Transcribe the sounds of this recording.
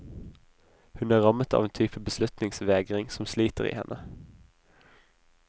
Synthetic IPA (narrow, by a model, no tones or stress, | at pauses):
hʉnæːʁɑmət̪ɑ̰ːʋeːnt̪ʰyːpəbəslʉt̪nɪŋsʋeːɡʁɪŋsɔmsliːt̪əʁḭːhɛ̰nʔə